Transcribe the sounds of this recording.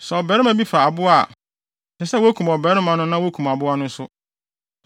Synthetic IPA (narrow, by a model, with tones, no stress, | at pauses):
sɛ˨ɔ˨bɛ˨˦ɾɪ˦mã˦bi˦fa˨a˨bʊ˦a̰˦˨ | sɛ˨sɛ˦wo˦æ˦kʰũ˨m˨ɔ˨bɛ˨˦ɾɪ˦mã˨˦nʊ̃˦nã˦wo˦kʰu˨m˨a˨bʊ˦a˦nʊ̃˦n˦sʊ˦